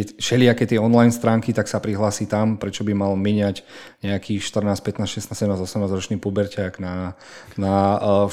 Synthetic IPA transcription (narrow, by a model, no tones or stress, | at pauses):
kɛʃɛliakɛːt̪ɪɛɔnlajnst̪ɾaːŋkit̪aksapɾiɦlaːsiːt̪ampɾɛt͡ʃɔbimalmiɲaɟ | ɲɛakʰiːʃt̪r̩naːspɛt̪naːsʃɛst̪aːsɛɟɛmnazɔsɛmnaːzɾɔt͡ʃniːpubɛɾcaɡna | na